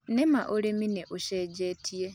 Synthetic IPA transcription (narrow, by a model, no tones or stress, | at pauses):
nemaʔoɾemineʔoʃeːɟeːtʰie